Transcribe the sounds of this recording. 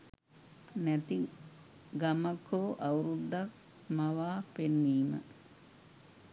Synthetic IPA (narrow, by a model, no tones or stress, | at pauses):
nɐt̪i | ɡɐmɐkʰoːʔɐwɾud̪ːɐk̚ | mɐʋaːpenːiːmɐ̰